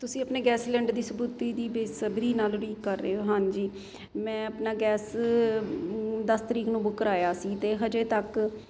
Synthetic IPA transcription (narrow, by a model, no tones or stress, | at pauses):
t̪ʊsĩːəpneːɡɛːslɛ̃ːɳɖd̪iːsəbuːt̪iːd̪iːbesəbɾiːnaːlɾiːkːəɾːḛːɦoːɦãːnd͡ʒiː | mɛ̃ːəpnaːɡɛːs | d̪əst̪əɾiːknũːbʊkːəɾaːjaːsiːt̪eːɦəd͡ʒeːt̪ək